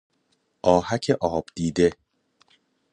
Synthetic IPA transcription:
ʔɒːhæcʰeʔɒːb̥d̪̥iːd̪e̞

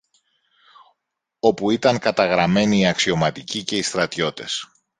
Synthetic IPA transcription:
o̞puit̪ɐŋkɐt̪ɐɣɾɐme̞niːɐksio̞mɐt̪icice̞ist̪ɾɐt̪ço̞t̪e̞s

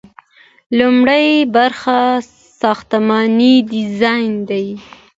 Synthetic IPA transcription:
lumɽajbaɾxa | sɑxt̪amɑnidɪzɑjnd̪aj

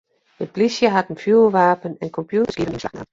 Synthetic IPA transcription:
ət̚b̥lisjəɦatn̩fjuːʋaːpənɛnkʰɔmpʰjutəsɡ̥inslana

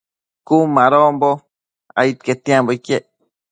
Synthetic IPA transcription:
kumãɾombo | a̰it̪̚ket̪ĩãmbokje

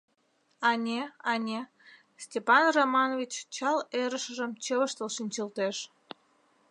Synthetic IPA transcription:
ɑnʲeɑnʲe | stʲepɑnromɑnovʲit͡ɕt͡ɕɑleɾəʃəʒəmt͡ɕəβəʃt̪əlʃinʲt͡ɕəlt̪eʃ

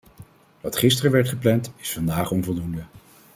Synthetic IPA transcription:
ʋɑtχɪstərəʋɛɹtχəplɛntɪsfɑndaːχɔnvɔlˠdundə

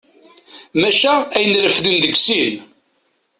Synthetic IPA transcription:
mæʃææjənɾəfðənðəɡsin

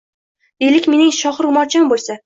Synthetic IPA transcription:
d̪elɪkʲme̞nɪŋʃɒχɨɾʊmɒɾt͡ʃʰambolˠsa

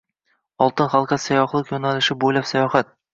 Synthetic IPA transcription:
ɒlˠt̪ɨnχalˠqʰɑt̪sajɒχlˠɪqjonalɪʃɪbolapsajɒχat̪̚

